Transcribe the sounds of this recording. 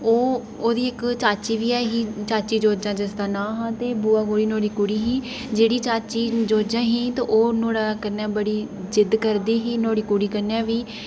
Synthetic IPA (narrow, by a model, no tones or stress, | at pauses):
oː | oːd̪iːɪkt͡ʃaːt͡ʃiːʋiːɛːɦiːt͡ʃaːt͡ʃiːd͡ʒoːd͡ʒãːd͡ʒəsd̪aːnãːɦãːt̪eːbuːaːɡoːɽiːnoːɽiːkʊɽiːɦiː | d͡ʒeːɽiːt͡ʃaːt͡ʃiːd͡ʒoːd͡ʒãːɦĩːt̪eʔoːnoːɽaːkəɾnaːbəɽiːd͡ʒɪd̪kəɾd̪iːɦiːnoːɽiːkʊɽiːkəɾnɛ̃ːʋiː